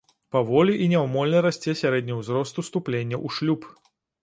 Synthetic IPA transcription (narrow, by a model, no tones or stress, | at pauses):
pavɔlʲiʔinʲɛwmɔlʲnɐɾasʲt͡sʲɛsʲaɾɛd̪ʲnʲɐwzɾɔst̪ust̪uplʲenʲːɐʔuʂlʲup